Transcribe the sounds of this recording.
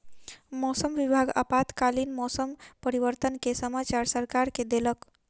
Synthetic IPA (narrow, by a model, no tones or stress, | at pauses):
mɔsəmʋibʱaɡə̰pat̪kalinmɔsəmpəɾiʋəɾt̪ənkesəmat͡ʃaɾsəɾkaɾked̪elək